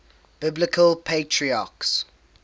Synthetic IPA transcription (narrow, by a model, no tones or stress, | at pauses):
b̥ɪblɪkʰəlpʰeɪtʰɹiaːˑks